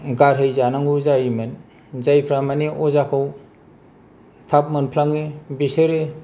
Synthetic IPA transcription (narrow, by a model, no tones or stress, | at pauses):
ɡaɾɦejzanaŋuzajimɯn | zajpʰɾamaneʔɔzakʰaw | tʰap̚mɯnpʰlaŋebisɯɾe